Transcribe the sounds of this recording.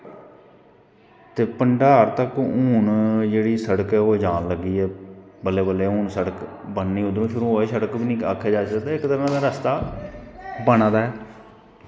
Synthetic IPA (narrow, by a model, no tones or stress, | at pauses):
t̪eːpəɳɖaːɾt̪əkũːɳd͡ʒeːɽiːsəɽəkɛːoːd͡ʒaːnləɡːiːɛːbəleːbəlːeːũːɳsəɽək | bənːiːʊd̪õːpʰɪɾ̃ːoːeːsəɽəkbiːnĩːka̰ːkʰːjaːd͡ʒaːsəkd̪eːɪkt̪əɾə̃d̪aːɾəst̪aː | bənaːd̪aːɛː